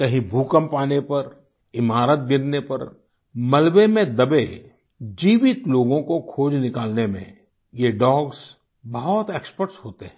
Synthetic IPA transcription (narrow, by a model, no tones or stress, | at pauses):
kɐɦĩbʱuːkəmpaːnepɐɾ | ɪmaːɾət̪̚ɡɪɾnepɐ̰ɾ | mɐlʋemẽd̪ɐbe | d͡ʒiːʋɪt̪loːɡõkokʰoːd͡ʒnɪkaːlnemḛ̃ | jeɖɔːɡz | bɐɦɔt̪eːkspəɾʈsɦoːt̪eɦɛ̃